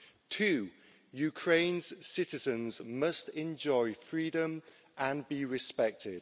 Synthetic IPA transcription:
tʰʉː | jʉkʰɹ̥ẽɪ̃nz̥sɪtɪzə̃nzmʌstɛ̃nd͡ʒɔɪfɹiːdə̃m | ʔə̃nbiɹɪspɛk̚tʰɪd̥

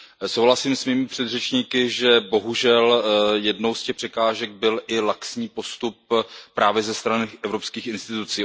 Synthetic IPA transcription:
so̞wɦlasiːmsmiːmɪpr̝̥ɛd̪rɛt͡ʃɲiːkɪʒɛbo̞ɦuʒɛljɛdno̞wscɛxpr̥ɛkaːʒɛɡ̚bɪlʔɪlaksɲiːpo̞st̪up̚ːɾʔaːvjɛzɛst̪ɾanɪʔɛvɾo̞pskiːxɪnst̪ɪt̪ut͡siː

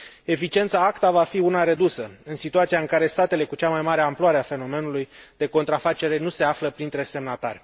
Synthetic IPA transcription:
e̞fit͡ʃie̞nt̪saakt̪avafiunaɾe̞d̪usəɨnsit̪uat̪sijaɨŋkaɾe̞st̪at̪e̞le̞kut͡ʃamajmaɾeamploaɾe̞afe̞no̞me̞nulujd̪̥e̞ko̞nt̪ɾafat͡ʃe̞ɾe̞nuse̞afləpɾint̪ɾe̞se̞mnat̪arʲ

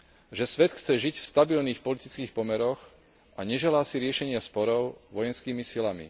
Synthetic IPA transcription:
ʒɛsʋɛt̪xt͡sɛʒicfst̪abilniːxpɔlit̪it͡skiːxpɔmɛɾɔx | ʔaɲɛʒɛlaːsiɾɪɛʃɛɲɪaspɔɾɔʊʋɔjɛnskiːmisilamḭ

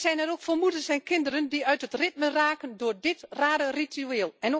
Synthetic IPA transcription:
sɛjnɛɾokfərmudəsɛjnkɪndərəndiœɥthətrɪt̚məraːkəndʊːrdɪtraːdəritʰyeːlˠɛno

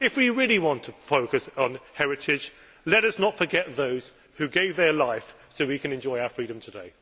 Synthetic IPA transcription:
ɪfwiɹɪəliwɑ̃ntʰəfoʊkɨsn̩hɛɹɪtʰɪd͡ʒ | lɛɾʌsnətfə˞ɡɛt̪̚ðoʊz̥ | hʉɡeɪvðə˞laɪf | soʊwikɨ̃nɨ̃nd͡ʒɔɪaʊəfɹiɾə̃mtʰədeɪ

